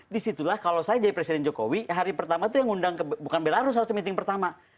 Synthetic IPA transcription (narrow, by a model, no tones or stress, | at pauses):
disit̪ulahkalosajad͡ʒadipɾesidɛnd͡ʒoko̰wiɦaɾipərt̪amat̪ujaŋundaŋkəbbukanbelaɾʊs̬haɾʊst̪əmint̪ɪŋpərt̪ama